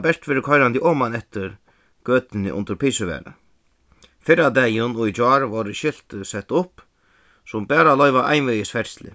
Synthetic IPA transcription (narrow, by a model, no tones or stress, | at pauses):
bɛʂt̪ʋɛːɾɪkʰɔjɾant̪ɪʔɔːmanɛht̪ɪɾ | ɡ̥øːt̪ɪnɪ̰ʔʊ̰nt̪əɾpʰijsɪʋɛ̰ːɾa̰ | fɪɾad̪ɛːjʊnʊjd͡ʒɔːɾʋɔɾɪʃɪl̥t̪sɛt̪ːʊp | sʊmbɛːɾalɔʏjvaʔa̰jnvɪəsfɛɾ̥slɪ̰